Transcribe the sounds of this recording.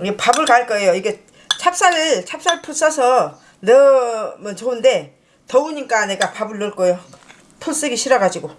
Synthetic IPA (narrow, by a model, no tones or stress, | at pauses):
iɡepabɯɭkaɭk͈ʌe̞joiɡe̞ | t͡ɕʰap̚s͈aɾɯt͡ɕʰap̚s͈aɭpʰus͈ʰʌsʰʌ | nʌmʌnt͡ɕounde̞ | tʌuɲik͈ane̞ɡapabɯɭːɯɭk͈ʌjo | tʰuɭs͈ɯɡiɕʰiɾʌɡad͡ʑiɡo